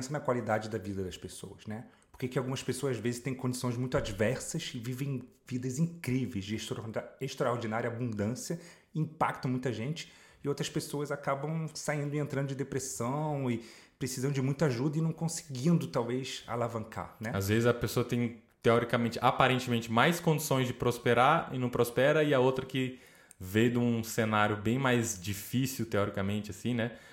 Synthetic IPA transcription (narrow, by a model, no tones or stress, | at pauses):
sɐnɐkwalid̪ad͡ʒɪd̪ɐvid̪ɐd̪ɐspeso̰wɐsnɛpoɾkekɪawɡũmɐspesoɐzazvezɪst̪ẽj̃kõd͡ʒisõj̃zmũj̃t̪ʊad͡ʒivɛɾsɐsɪvivẽj̃ | vid̪ɐzĩkɾivejzd͡ʒɪʃaeʃt̪ɾaoɾd͡ʒinaɾjɐabũnd̪ɐ̃sijɐ | ĩpakt̪ɐ̃w̃mũj̃t̪ɐʒẽnt͡ʃɪ̥ | ɪowt̪ɾɐspesoɐzakabɐ̃w̃saĩnd̪ʊɪẽnt̪ɾɐ̃nd̪ʊd͡ʒɪd̪epɾesɐ̃w̃ɪpɾesizɐ̃d͡ʒɪmũj̃t̪ɐaʒud̪ɐɪnɐ̃w̃kõsɪ̥ɡĩnd̪ʊt̪awvejsa̰lavɐ̃ŋka̰nɛazvezɪzɐpesoɐt̪ẽj̃ | t̪eɔɾikɐmẽnt͡ʃɪʔapaɾẽnt͡ʃɪmẽnt͡ʃɪmajskõnd͡ʒisõj̃zd͡ʒɪpɾospeɾaɾɪ̰nɐ̃w̃pɾospɛɾɐɪɐowt̪ɾɐkɪ | vẽjd̪ũsenaɾjʊbẽj̃majzd͡ʒifisiwt̪eɔɾikɐmẽnt͡ʃɪasĩnɛ